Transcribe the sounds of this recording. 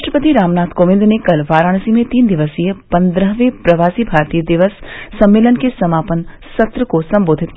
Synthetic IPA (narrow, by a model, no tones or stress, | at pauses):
aʃʈɾəpət̪iɾaːmnaːt̪ʰkoːʋɪ̃nd̪nekɐlʋaːɾaːɽ̃simẽt̪iːnd̪ɪʋəsijəpɐ̃nd̪ɾəɦʋepɾɐʋaːsibʱaːɾt̪iːjəd̪ɪʋəsːɐmːeːlənkesɐmaːpən | sɐt̪ɾəkosɐ̃mboːd̪ʱɪt̪̚k